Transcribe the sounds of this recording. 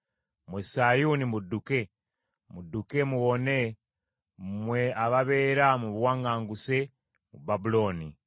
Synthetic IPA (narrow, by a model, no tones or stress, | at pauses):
mwesajunimudːuke̞ | muduke̞muwo̞ne̞ | mweaβaβe̞ːɾamuβwaːŋɡaːŋɡuse | mṵbabulo̞ːni